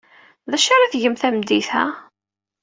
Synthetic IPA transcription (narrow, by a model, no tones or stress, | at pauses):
ðæʃaɾaθʝəmθæmd̪iθæ̰